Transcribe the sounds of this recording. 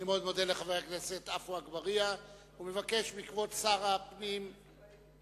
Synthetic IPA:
imeo̞d̪mo̞d̪eleχavajakneset̪afuaɡbaʁia | umevake̞ʃbikvo̞tsaʁapnim

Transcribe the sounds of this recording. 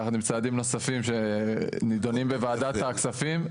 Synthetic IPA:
aχnumt͡saːd̪imno̞safimʃe̞nid̪o̞nimbevaːd̪at̪aksafim

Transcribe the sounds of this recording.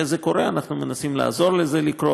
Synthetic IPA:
ezeko̞ʁe̞anaχnume̞nasimla̰azo̞ʁlezelikɾo

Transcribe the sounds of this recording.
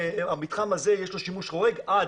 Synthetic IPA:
amit̪χamaze̞jeʃlo̞ʃimuʃʁo̞ʁe̞ɡad

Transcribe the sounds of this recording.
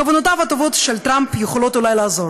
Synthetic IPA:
avonot̪avhat̪ovo̞t̪ʃelt̪ɾampjeχolo̞t̪ulajlaːzo̞ɾ

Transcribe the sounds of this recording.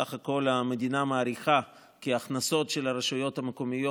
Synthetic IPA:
aχako̞lame̞d̪inamaːɾiχa | kiaχnaso̞tʃelaɾeʃujo̞thameko̞mijo

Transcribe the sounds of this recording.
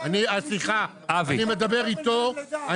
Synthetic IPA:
aniasiχa | avainime̞d̪abe̞ʁit̪oa

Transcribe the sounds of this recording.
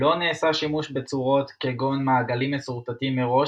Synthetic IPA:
o̞neːsaʃimuʃbet͡suʁo̞t̪keɡonmaːɡalimːesuʁt̪atimːeʁo̞

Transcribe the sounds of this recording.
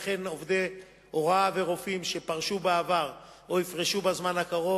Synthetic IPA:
χe̞no̞vd̪e | o̞ʁaveʁo̞fimʃe̞paʁʃubaavaʁ | o̞ifʁeʃubazmanhakaʁo̞

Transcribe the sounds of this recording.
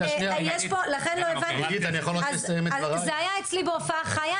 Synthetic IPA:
aʃniajeʃpolaχenloevaiɡit̪anijaχoljoesaimeʁzeajaet͡slibeofaaχaja

